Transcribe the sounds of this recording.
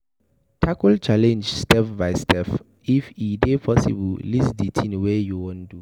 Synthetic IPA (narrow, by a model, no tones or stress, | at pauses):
tʰakult͡ʃalɛ̃nd͡ʒstɛfbaɪstʰɛf | ifidepʰɔsḭbllisditʰĩnwɛjuwõndu